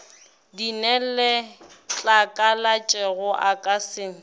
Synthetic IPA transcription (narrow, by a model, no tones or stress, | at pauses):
dinɛllet͡ɬʼakʼalat͡ʃʼɛɣʊʔakʼasɪːŋ̩